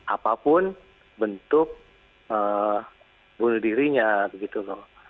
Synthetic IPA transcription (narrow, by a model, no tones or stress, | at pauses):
ʔapapʊn | bənt̪ʊk̚ | ə | bunuhdiɾiɲabəɡit̪ulɔh